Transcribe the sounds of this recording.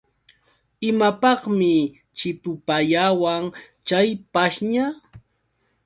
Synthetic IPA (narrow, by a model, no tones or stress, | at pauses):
ɪmapɑχmɪ | t͡ʃɪpʊpaʎawaŋ | t͡ʃajpaʃɲa